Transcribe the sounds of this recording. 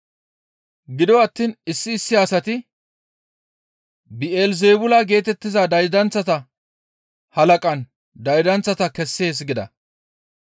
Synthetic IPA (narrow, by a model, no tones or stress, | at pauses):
ɡɪd̪ɔwɐt̪ːiːnɪsːɪːsːɪhaːsɐt̪ɪ | bɪeːlze̞ːbʊlaɡe̞ːt̪ɛt̪ːɪzad̪ɐjd̪ɐnt͡sːɐt̪ɐ | hɐlɐkʼɐn | d̪ɐjd̪ɐnt͡sːɐt̪ɐkɛsːe̞ːs̬ɡɪd̪ɐ̰